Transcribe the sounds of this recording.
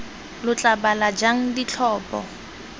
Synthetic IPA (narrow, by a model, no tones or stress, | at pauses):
lʊt͡ɬʼabalad͡ʒaŋ̩dit͡ɬʰɔːpʼɔ̰